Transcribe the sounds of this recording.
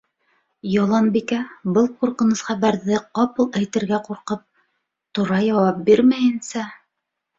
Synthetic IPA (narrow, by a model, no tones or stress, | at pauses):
jɑlˠɑnbikæbɤlˠquɾqɤ̆nɤθχæβæɾðɘqɑpɤlˠæjt̪ɘ̆ɾɡæquɾqɤp̚ | t̪ŏɾɑjɑwɑp̚biɾmæjɘ̆nsæ